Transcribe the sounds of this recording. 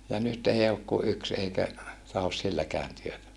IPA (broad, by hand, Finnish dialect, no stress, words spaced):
jɑ nyt ei ok ku yks eikæ tɑhos silːækæːn tyøtæ